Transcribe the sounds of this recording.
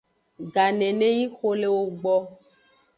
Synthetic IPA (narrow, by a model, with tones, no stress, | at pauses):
ɡa˨nɛ̃˨nẽ˦ji˦xo˦le˦wo˦ɡ͡bɔ˦